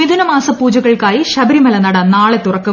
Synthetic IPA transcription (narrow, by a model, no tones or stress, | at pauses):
iðunɐmaːsɐpːuːd͡ʑɐɣɐɭkaːjiɕɐbɐɾimɐlɐnɐɽɐnːaːɭet̪ːurɐkːu